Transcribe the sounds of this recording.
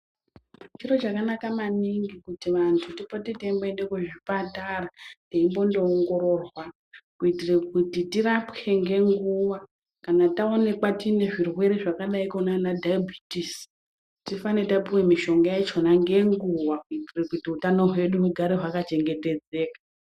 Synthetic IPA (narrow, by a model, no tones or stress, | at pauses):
t͡ʃiɾo̞t͡ʃakanakamaniŋɡikutiʋantʰutipotiteimboendekeʐipatarateimbo̞ndo̞ːŋɡo̞ɾo̞rwa | kuitirekutitirapkʰe̞ŋɡe̞ŋɡuʋa | kanatao̞ne̞kwatine̞ʐirwe̞ɾeʐakaɗaikonanadʱajabʱitis | tifanetapiwemiʃo̞ŋɡajet͡ʃo̞naŋɡe̞ŋɡuʋakuitirekutiutano̞ɦwe̞ɗumuɡʱaɾeɦwakat͡ʃe̞ŋɡe̞te̞d͡ze̞ːkḁ